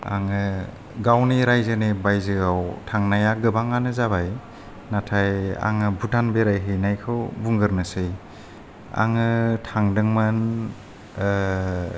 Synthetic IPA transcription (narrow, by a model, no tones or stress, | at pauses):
a̰ŋɯ | ɡawniɾajzɯnebajzɯawtʰaŋnajaɡɯbaŋanɯzaβaj | natʰaja̰ŋɯbutʰanbeɾajɦɯjnajkʰɯwbuŋɡɯɾnɯsɯj | a̰ŋɯtʰaŋdɯŋman